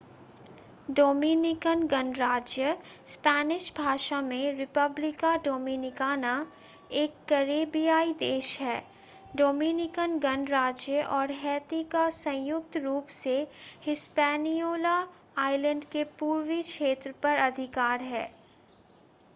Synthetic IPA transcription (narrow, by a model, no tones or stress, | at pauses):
ɖoːminɪkənɡənɾaːd͡ʒjə | spɛːnɪʃbʱaːʃamẽɾɪpəblɪkaɖoːminɪkaːna | eːkːɐɾeːbijaːid̪eːʃɦɛː | ɖoːminɪkənɡənɾaːd͡ʒjəʔɔːɾɦɛːt̪ikasɐ̃jʊk̚t̪ɾuːpsehɪspɛːnijoːla | aːɪlə̃ɳɖkepuːɾwikʃʰeːt̪ɾəpɐɾɐd̪ʱɪkaːɾɦɛ̰ː